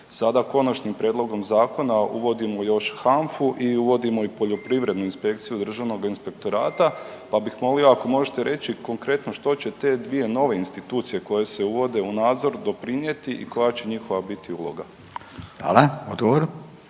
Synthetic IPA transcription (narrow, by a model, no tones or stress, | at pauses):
sad̪ako̞nat͡ʃnimpɾje̞d̪lˠo̞ɡo̞mzaːko̞naṵʋo̞d̪imo̞jo̞ʃxaɱfuʔiuʋo̞d̪imo̞ipo̞ʎo̞pɾiʋɾe̞d̪nuinspe̞k̚t̪sijud̪r̩ʒaʋno̞ɡinspe̞kt̪o̞ɾaːt̪a | pabixmo̞lioako̞mo̞ʒet̪e̞ɾe̞t͡ɕiko̞ŋkɾe̞t̪no̞ʃt̪o̞t͡ɕe̞t̪e̞d̪ʋije̞no̞ʋe̞inst̪it̪uːt̪sije̞ko̞je̞se̞uʋo̞d̪e̞unaːd̪zo̞ɾd̪o̞pɾiɲje̞t̪iʔḭko̞jat͡ɕe̞ɲixo̞ʋabit̪iulˠo̞̰ɡa | a̰leod̪ɡoʋoɾ